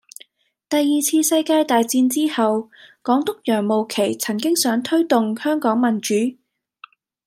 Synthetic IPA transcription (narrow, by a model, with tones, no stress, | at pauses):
t̪ɐ˨jːiː˨t͡sʰiː˧sɐ˧jkaː˧jt̪aː˨jt͡siː˧nt͡siː˥hɐ˨wkɔː˨˥ŋt̪ʊ˥k̚jœː˨˩ŋmo˨wkʰe˨˩jt͡sʰɐ˨˩ŋkɪ˥ŋsœː˨˥ŋt̪ʰɵ˥ɥt̪ʊ˨ŋhœː˥ŋkɔː˨˥ŋmɐ˨˩nt͡ʃyː˨˥